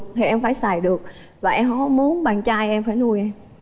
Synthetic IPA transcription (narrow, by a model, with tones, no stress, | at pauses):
t̪ʰi˨˩ʔɛ˧mfaː˧˩jsaː˨˧˩jɗɨ˨˩ək̚ | vaː˨˩ʔɛ˧mhɔ˨˦ɔ˨˧˦mu˨˦ənɓaː˨˩nt͡ɕaː˧jʔɛ˧mfaː˧˩jnu˧˩əjʔɛ˧m